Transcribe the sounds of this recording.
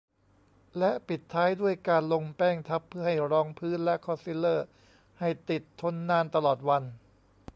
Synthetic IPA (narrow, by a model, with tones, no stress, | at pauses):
lɛ˦˥ʔpi˨˩t̪ʰːaː˦˥jdu˥˩əjkaː˧nlo˧ŋpɛː˥˩ŋt̪ʰa˦˥pʰːɯ˥˩ɐha˥˩jɾɔː˧ŋpʰɯː˦˥nlɛ˦˥ʔkʰɔ˧si˦˥lːɤː˥˩ | ha˥˩jt̪i˨˩t̪ʰːo˥˩nːaː˧nt̪a˧lɔː˨˩t̪̚wa˧n